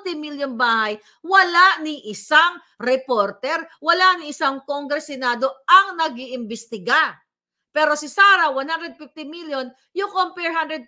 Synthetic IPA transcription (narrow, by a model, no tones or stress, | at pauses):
t̪ɪmiljonbaːhɐj | wɐlanɪʔɪsaŋ | ɾɛpoɾt̪ɛɾwɐlaʔnɪʔɪsaŋkoŋɡɾɛsɪnaːd̪o̞ʔɐŋnɐɡiʔɪmbɪst̪ɪɡa | pɛːɾosɪsaːɾɐwanhand̪ɾɛd̪̚fɪft̪ɪmiljon | jʊŋkompɛɹɦand̪ɾɛd̪̚